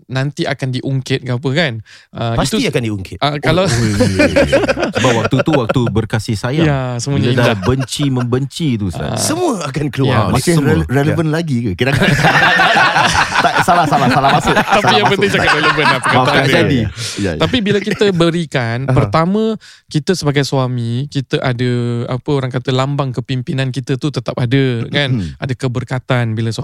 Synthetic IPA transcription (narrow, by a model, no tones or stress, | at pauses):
nant̪iʔakandiʔuŋkɪt̪̚ɡap̬əkanʔəpaist̪uiakandiuŋkɪt̪̚əkalaw | səbawakt̪ut̪uwak̚t̪ubərkasɪhsajajasəmũaɲaadaabəɲt͡ʃiməmbəɲt͡ʃit̪usa̰səmũəakankəluamasɪreləvənlaɡikakidakkaa | t̪aʔsalahsalaalamasʊapijaŋpənt̪ɪŋd͡ʒakat̪ɾeləvənapəkaaad͡ʒadijat̪apibilakit̪əbəɾikanpərt̪amə̃ | kit̪əsəbaɡajsuwamikit̪əʔadəapəoɾaŋkat̪əlambaŋkəpimpinankit̪ət̪ut̪ət̪ap̚adəkanadəkəbərkat̪anbilas